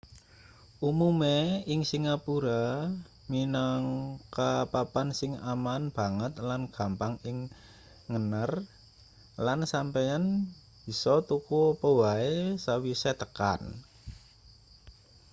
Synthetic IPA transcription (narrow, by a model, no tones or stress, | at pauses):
ʔumumeɪŋsiŋapuɾa | minaŋkapapansɪŋa̰manb̥a̤ŋət̪̚lanɡ̥a̤mpaŋɪŋː | ənər | lansampejan | b̥i̤sɔt̪ukupəwaesawiset̪əka̰n